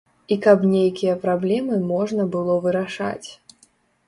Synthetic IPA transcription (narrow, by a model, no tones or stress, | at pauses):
ikɐpnʲejkʲijɐpɾablʲɛmɨmɔʐnɐbɨlˠɔvɨɾaʂa̰t͡sʲ